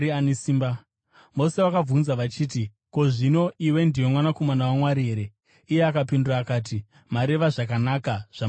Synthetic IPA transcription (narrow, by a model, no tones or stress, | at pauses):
ianesiːmba | mo̞se̞wakab͡vunzaʋat͡ʃiːti | ko̞ʐino̞ʔiwe̞ndijo̞mwanako̞manawamwaɾiɦeɾe | ijeakapinduɾaːkaːt̬i | maɾe̞ʋaʐak̬anakaʐ̥a